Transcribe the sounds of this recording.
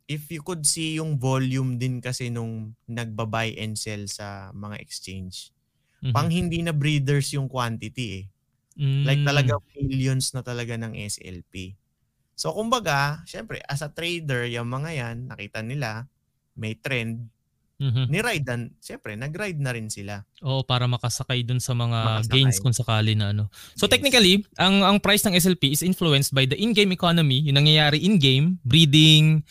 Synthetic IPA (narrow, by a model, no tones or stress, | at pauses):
ʔɪfjʊkʊd̪̚sijʊŋvoljʊmd̪ɪnkɐsɛnʊŋnɐɡ̚bɐbajʔɛnd̪sɛlsɐmɐŋa̰ʔɛkst͡ʃejnd͡ʒ | paŋhɪnd̪inɐbɾid̪ɛɹsjʊŋkwant̪ɪt̪iʔɛ | lajk̚t̪ɐlɐɡamiljonsnɐt̪ɐlɐɡanɐŋʔɛ̰sɛ̰lpi | so̞kʊmbɐɡaʃɛmpɾɛ̰ʔɐsɐt̪ɾejd̪ɛɹjɐŋmɐŋajanːɐkiːt̪ɐnɪla | mɛjt̪ɾɛnd̪̚ | m̩ːɦ̩nɪɾajd̪ɐnʃɛmpɾɛnɐɡɾajd̪̚nɐɾɪnsɪlaʔo̞ːʔopaːɾɐmɐkɐsɐkajd̪ʊnsɐmɐŋaɡejnsskʊŋsɐkaːlɪnɐʔɐno̞sot̪ɛk̚nɪkɐliʔɐŋɐŋpɾajsnɐŋʔɛs̬ɛlpiɪsʔɪnfluɛnst̪̚bɐjd̪ɐʔɪnɡẽjmɛkonomijʊŋnɐŋjɐjaːɾɪʔɪnɡejmbɾiːd̪ɪŋ